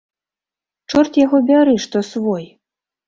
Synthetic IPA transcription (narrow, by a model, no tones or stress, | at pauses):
t͡ʂɔrt̪ʲjaɣɔbʲaɾɨʂt̪ɔsvɔj